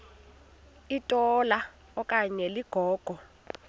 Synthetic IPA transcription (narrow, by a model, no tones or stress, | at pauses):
itʼɔla | ɔkʼaɲɛliɡ̥ʱɔːɡ̥ʱɔ